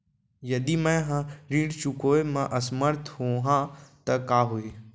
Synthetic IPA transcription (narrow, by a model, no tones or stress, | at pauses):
jɐd̪imɛ̃ɦãɾiːɽt͡ʃukoːemãʔɐsməɾt̪ʰhoːɦãt̪ɐkaːɦoeː